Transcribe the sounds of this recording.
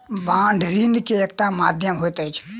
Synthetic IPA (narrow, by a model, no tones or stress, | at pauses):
ʋãːɳɖʱɾinkeeːk̚ʈãmaːd̪ʱjəmɦoːjt̪ait͡ʃʰe̥